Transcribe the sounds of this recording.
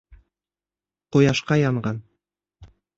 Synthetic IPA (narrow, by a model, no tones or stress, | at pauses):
qojɑʃqɑjɑɴɢɑn